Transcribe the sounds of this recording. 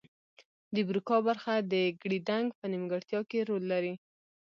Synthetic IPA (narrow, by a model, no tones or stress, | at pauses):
d̪əbɾikɑbaɾxad̪əɡɽid̪aŋɡpənimɡaɽt̪jɑkeɾolːaɾi